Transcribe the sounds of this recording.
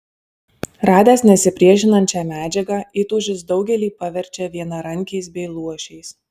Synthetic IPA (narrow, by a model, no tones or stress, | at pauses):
ɾɑːd̪ʲɛːsnʲɛsʲɪpʲɾʲiɛʃʲɪnɐnʲt͡ʃʲɛmʲæːd͡ʒʲɛɡɑit̪uːʒʲɪsd̪ɒʊɡʲɛlʲiːpɐʋʲɛɾʲt͡ʃʲɛʋʲiɛnɐɾɐŋʲkʲɛɪsbʲɛɪlˠuɔʃʲɛɪs